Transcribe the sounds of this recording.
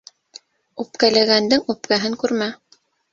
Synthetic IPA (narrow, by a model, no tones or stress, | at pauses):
ʉpkælæɡænd̪ɘŋʉp̚kæɦɘŋkʉɾmæ